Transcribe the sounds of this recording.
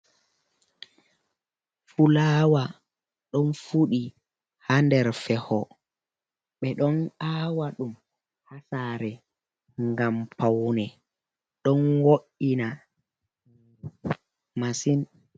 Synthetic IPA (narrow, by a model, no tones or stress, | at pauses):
fulaːwa | ɗɔnfuɗi | handɛɾfɛhɔ | ɓɛɗɔnawaɗum | hasaɾɛ | ŋɡampawnɛ | ɗɔnwoʔina | masin